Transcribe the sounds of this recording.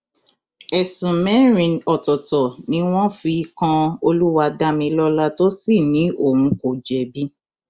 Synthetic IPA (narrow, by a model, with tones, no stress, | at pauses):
ɛ˨sũ˨mɛ̃˨˦ɾ̃ĩ˨ɔ˨tɔ˨tɔ˨nĩ˨˧˦w̃ɔ̃˦fi˧kã˧o˧lu˦wa˧da˦mĩ˧lɔ˦la˦to˦si˦˨nĩ˨˦ʔo˦˨ũ˨˧˦ko˨d͡ʒɛ˨bi˦